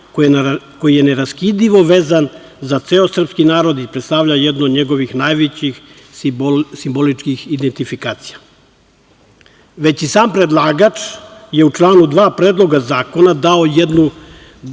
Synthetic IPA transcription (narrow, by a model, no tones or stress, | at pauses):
ko̞jije̞ne̞ɾaskid̪iʋo̞ʋeːzan | zat̪seo̞sr̩pskinaːɾo̞d̪ipɾet̪st̪aʋʎajed̪nod̪ɲe̞ɡo̞ʋixnajʋet͡ɕix | simbo̞lit͡ʃkixid̪ent̪ifikaːt̪sija | ʋe̞t͡ɕisaːmpɾe̞d̪lˠaːɡat͡ʃje̞ut͡ʃlˠaːnud̪ʋaːpɾeːd̪lˠo̞ɡazaːko̞nad̪aojed̪nu